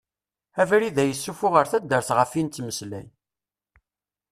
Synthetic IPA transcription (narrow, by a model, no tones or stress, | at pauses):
ævɾiðæjəsːufʊʁəɾθæd̪ːəɾθʁəfint̪ːməslæ̰n